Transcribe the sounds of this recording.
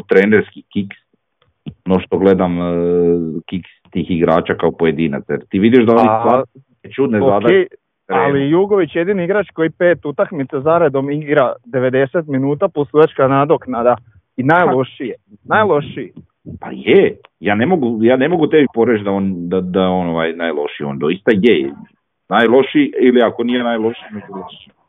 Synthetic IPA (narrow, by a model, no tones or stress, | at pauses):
t̪ɾeːneɾskikiks | noʃt̪oɡled̪am | kikst̪iːxiɡɾaːt͡ʃakaopoje̞d̪iːna̰t̪sjeɾt̪iːʋid̪jeʒd̪aonisaːɾiket͡ʃud̪neadk̪ae | ɾeallijuɡoʋit͡ʃje̞d̪iniiɡɾat͡ʃko̞jipeːt̪ut̪akmit̪sazaɾed̪o̞miɡɾad̪e̞ʋe̞d̪e̞set̪minuːt̪aposujat͡ʃkanad̪oknad̪a | inajlˠo̞ʃijenajlˠo̞ʃi | pa̰je | jaːnemoɡujaːne̞mo̞ɡut̪ebipoɾet͡ʃd̪aoːnd̪ad̪aonoʋajnajlˠo̞ʃioːnd̪oist̪ajejḛ | naːjlˠo̞ʃiiliakonijenajlˠo̞ʃiimed͡ʒubaʃi